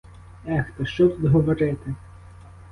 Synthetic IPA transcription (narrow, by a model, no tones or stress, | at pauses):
ɛxt̪ɐʃt͡ʃɔt̪ud̪ɦɔʋɔɾɪt̪ɪ